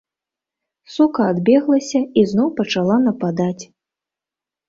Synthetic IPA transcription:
sukɐːd̪bʲɛɣlˠɐsʲɐiznɔwpɐt͡ʂalˠanɐpad̪at͡sʲ

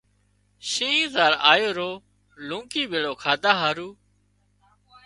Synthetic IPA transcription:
ʃĩːɦĩːzaːɾa̰ːjoːɾoː | lũːkiːbeːɽoːkʰaːd̪aːɦaːɾuː

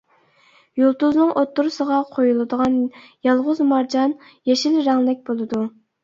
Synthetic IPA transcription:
jolˠt̪uznɨŋʔot̪ːuɾusəʁɑqʰojulˠɨd̪əʁɑnjɑlˠʁʊzmɑɾd͡ʒɑn | jeʃilɾɛŋlɪk̚ʲbolˠɨd̪u

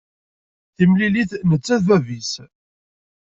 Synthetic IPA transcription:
θimliliθnət͡sːæðvævis

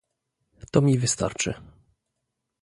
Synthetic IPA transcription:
t̪ɔmʲivɘst̪a̰ɾt͡ʂɘ̰

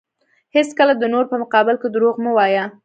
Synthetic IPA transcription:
heskəlad̪ənoɾpəmʊqɑbɪlked̪ɾoɣmuwɑja

